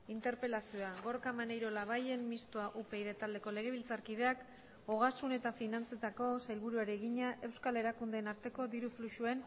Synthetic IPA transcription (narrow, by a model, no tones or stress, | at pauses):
int̪e̞ɾpe̞lasioaɣo̞ɾkamanejɾo̞laβaje̞nmist̪oaʔupe̞iðet̪ald̪e̞ko̞le̞ɣ̞e̞βilt͡saɾkið̞eak | o̞ɣ̞asune̞t̪afinant͡set̪ako̞sajlβuɾuaɾieɣiɲaʔe̞wskale̞ɾakund̪e̞ːnaɾt̪e̞ko̞d̪iɾufluʃue̞n